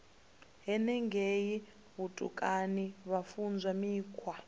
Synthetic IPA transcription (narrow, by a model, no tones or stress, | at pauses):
ɦɛnɛŋɡʱeji | βutʼṵkʼaniβafund͡zʱamiːkʰwa